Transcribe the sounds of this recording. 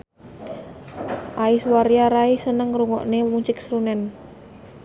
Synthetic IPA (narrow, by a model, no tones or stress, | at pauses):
ʔaiswaɾijaɾaisənəŋɾuŋɔ̰ʔnemuɲt͡ʃɪk̚sɾunɛn